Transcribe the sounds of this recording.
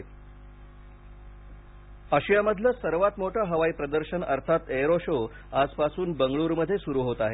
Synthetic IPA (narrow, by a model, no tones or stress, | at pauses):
əɕijaməd̪ʱləːsəɾʋat̪moʈʰəɦəʋaiːpɾəd̪əɾɕənə̰ɾt̪ʰat̪eɾoɕo | ad͡zpasuːnbəŋɡɭuːɾməd̪ʱːjesuɾuːɦot̪aɦe